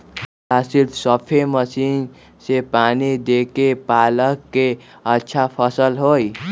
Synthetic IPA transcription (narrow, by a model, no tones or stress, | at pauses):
sasilt̪sʌpʰemʌsin | sepanid̪ekepalʌkːe | ʌtːsʰapʰʌsʌlɦoj